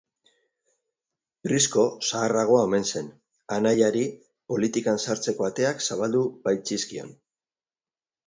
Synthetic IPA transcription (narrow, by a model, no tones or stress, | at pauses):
brisko̞saːraɣ̞o̞ao̞me̞nse̞n | anajaɾi | po̞lit̪ikansaɾt͡se̞ko̞at̪e̞aksaβald̪uβajt͡siskio̞̰n